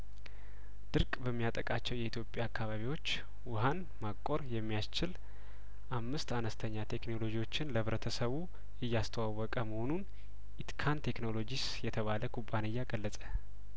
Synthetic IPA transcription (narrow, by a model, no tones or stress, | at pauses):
d̪̥ɨɾkʼbəmːijat̪ʼəkʼat͡ʃːɛwjɛit̪ʰjo̞pʼjaːkːaβaβiwo̞t͡ʃː | wʊɦan | makʼːo̞ɾjɛmːijast͡ʃɪl | ʔamːɨst̪anəst̪ʰəɲːat̪ʰe̞kno̞lo̞d͡ʒiwo̞t͡ʃːɪnləβɾət̪ʰəsəβu | jɪjːast̪ʰəwawːɔkʼəməho̞nun | ʔit̪kʰant̪ʰe̞kno̞lo̞d͡ʒis | jɛt̪ʰəβaləkʰubːanɨjːaɡəlːəsʼə̥